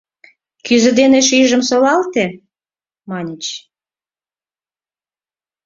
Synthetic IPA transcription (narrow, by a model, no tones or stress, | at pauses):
kyzə̆d̪eneʃiʒə̆msolɑlt̪e | mɑnʲet͡ɕ